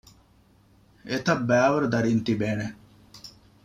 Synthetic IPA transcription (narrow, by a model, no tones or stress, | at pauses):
et̪ɐbːæːʋɐɾd̪ɐɾiːnt̪ibeːne